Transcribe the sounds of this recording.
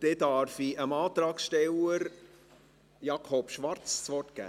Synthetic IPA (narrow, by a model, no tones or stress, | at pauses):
d̪̥ɛdɑɾfiʔəmɑːt̪ɾɑːksʃtɛləɾ | jɑkʰɔpʃʋɑɾt͡ssʋɔrtɡ̥æ̰ː